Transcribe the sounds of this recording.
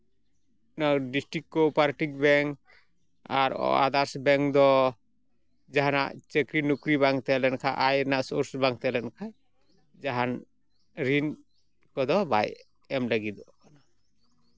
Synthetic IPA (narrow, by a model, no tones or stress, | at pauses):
naɖisʈɾikːɔpaɾʈik̚bɛŋk | aɾɔ̰a̰d̪aɾsbɛŋkd̪ɔ | d͡ʒaɦana̰ʔt͡ʃəkɾinukɾibaŋt̪ɛlɛnkʰaʔajɾnaʔsɔɾsbaŋ̚t̪ɛlɛnkʰa | d͡ʒaɦan | ɾin | kɔd̪ɔba̰j | ɛmləɡid̪ɔkana